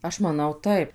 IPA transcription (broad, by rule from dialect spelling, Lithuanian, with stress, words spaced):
ˈɐʃ mɐˈnɐʊ ˈtɐɪp